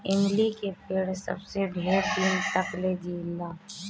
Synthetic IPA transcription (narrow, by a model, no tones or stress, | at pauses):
ɪmlikepeːɽsə̰bsebʱeːɾt̪iːnt̪əkled͡ʒiːlːaː